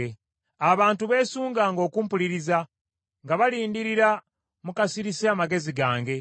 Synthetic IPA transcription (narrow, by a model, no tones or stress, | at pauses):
e | aβaːntuβe̞ːsuːŋɡaːŋɡo̞ːkuːmpuliɾiza | ŋɡaβaliːndiɾiɾa | mukasiɾiseamaɡe̞ziɡaːŋɡe̞